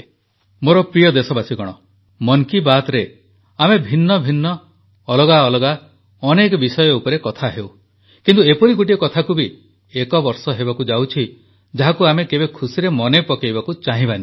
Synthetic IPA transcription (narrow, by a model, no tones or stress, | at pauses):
moɾɔpɾijɔd̪esɔbasikɔɽ̃ɔ | mɔŋkibat̪ɾe | amebʱinːɔbʱinːɔː | lɔɡaɔlɔɡa | ɔnekɔbisɔjɔupɔɾekɔt̪ʰaɦew | kint̪uepɔɾiɡuʈiɔkɔt̪ʰakubi | ekɔbɔɾsɔɦebakud͡ʒawt͡ʃʰi | d͡ʒaɦakuamekebekʰusiɾemɔnepɔkejbakut͡ʃaɦĩbani